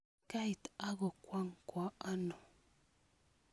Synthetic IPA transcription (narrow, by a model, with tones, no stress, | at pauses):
ka˦jt̪a˦ɣo˨kwa˦ŋkwa˨a˦no˨